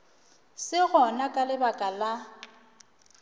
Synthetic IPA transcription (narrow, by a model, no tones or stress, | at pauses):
sɪɣɔnakʼalɪbakʼala